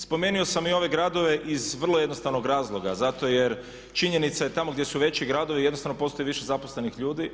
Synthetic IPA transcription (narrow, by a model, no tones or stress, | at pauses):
spo̞me̞ːnio̞samio̞ʋe̞ɡɾad̪o̞ʋe̞ʔizʋr̩lˠojed̪no̞st̪aʋno̞ɡɾaːzlˠo̞ɡa̰zat̪o̞je̞ɾ | t͡ʃiɲe̞nit̪sajet̪amoɡd̪je̞suʋe̞t͡ɕiɡɾad̪o̞ʋijed̪not̪aʋno̞po̞ːst̪o̞iʋiʃezaposle̞nixʎuːd̪i